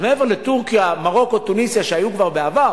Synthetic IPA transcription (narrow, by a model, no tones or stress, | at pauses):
meeveʁletuʁkijamaʁo̞kot̪unisjaʃeajukvaʁbeavaʁ